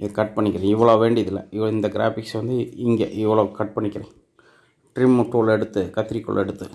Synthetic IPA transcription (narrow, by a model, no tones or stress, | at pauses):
kɐʈ̚pɐɳːɪkːɪɾẽɪʋːɐɭoːʋeːɳɖɪðɪlːɐ̰ɪʋɐɭɪnd̪ɐɡɪɾa̰ːfɪksʋɐnd̪ɯɪŋɡḛːʔɪʋːɐɭoːkɐʈ̚pɐɳːɪkːɪɾẽ | ʈɾɪmʈoɭɛɽɯt̪ːɯkɐt̪ːɪɾikːɔ̰ɭɛ̰ɽɯt̪ːɯ